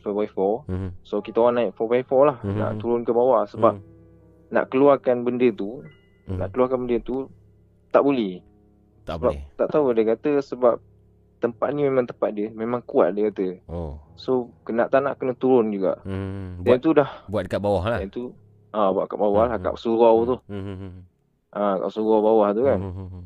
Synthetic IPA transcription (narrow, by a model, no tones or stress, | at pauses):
fɔbaifɔsokit̪aowaʔnãɪk̚fɔbaifɔlahna̰ʔt̪uɾʊnkəbawahsəbap̚ | na̰ʔkəluarkanbəndət̪u | na̰ʔkəluakanbəndət̪u | t̪aʔbolɛh | t̪abat̪aʔt̪audajkat̪əsəbap̚ | t̪əmpat̪̚nimemãŋt̪əmpat̪̚diəmemãŋkua̰t̪̚dakat̪əosokənaʔt̪ana̰ʔkənət̪uɾʊnd͡ʒuɡa̰ʔbdanit̪udahbuat̪̚əkabawahlaanit̪u | abaʔkaʔbawahlahka̰ʔsuɣawt̪ʊh | ʔaka̰ʔsuɣawbawaht̪ukan